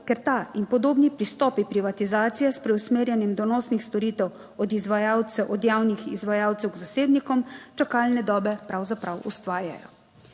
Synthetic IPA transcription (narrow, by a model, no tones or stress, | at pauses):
kɛɾt̪ainpɔd̪oːbnipɾist̪ɔːpipɾiʋat̪izaːt̪sijɛspɾɛusmeːɾjɛnjɛmd̪ɔnɔːsnixst̪ɔɾiːt̪ɛw | ɔd̪izʋajaw̪ɛʔɔd̪jaːwnixizʋajaːwt̪sɛwɡzaseːb̪nikɔmt͡ʃakalnɛd̪ɔːbɛpɾawzapɾawʔṵst̪ʋaːɾja̰jɔ̰